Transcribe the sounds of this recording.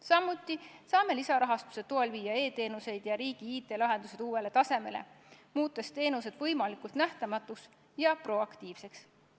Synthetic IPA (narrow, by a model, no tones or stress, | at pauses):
sɑmːut̪ːˑisɑːme̞lisɑɾɑɦɑst̪u̥se̞t̪ːoelviːɑe̞ːt̪e̞ːnuse̞jd̪̥jɑɾiːɡ̥iiːt̪ˑe̞lɑɦe̞nd̪̥use̞d̪̥uːwe̞le̞t̪ɑse̞me̞le̞̰ | muːt̪ːˑest̪e̞ːnuse̞d̪vɤ̞jmɑlikult̪næht̪ɑmɑt̪ːˑuks | jɑpro̞ɑkt̪iːv̥se̞ks